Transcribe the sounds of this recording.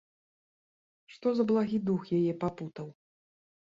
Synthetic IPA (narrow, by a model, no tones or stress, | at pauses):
ʂt̪ɔzɐblˠaɣʲid̪uxjajɛpaput̪ɐw